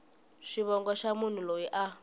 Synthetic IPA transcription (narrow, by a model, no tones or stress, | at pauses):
ʃiβɔŋɡɔʃamun̤ulojiʔa